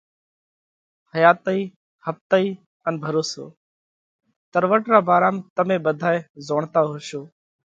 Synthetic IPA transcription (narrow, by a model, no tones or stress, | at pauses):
həjaːt̪əiː | həft̪əiː | ənbʱəɾoːso̰ː | t̪əɾʋəʈɾaːbaːɾaːmt̪əmẽːɓəd̪ʱaːeːzoːɳt̪aːɦoːʃoː